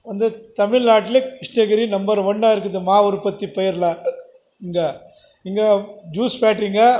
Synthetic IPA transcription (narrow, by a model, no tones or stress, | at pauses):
ʋɐnd̪ɯt̪ɐmɪlnaːʈːɪlɐkɪʂɳɐɣɐɾinɐmbɐɾʋɔɳɖaːɪɾɯkːɐðɯmaːɔɾɯpːɐt̪ːipɔjɐɾlɐ | ɪŋɡɐ | ɪŋɡɐd͡ʒuːspaːʈɾiːŋɡɐ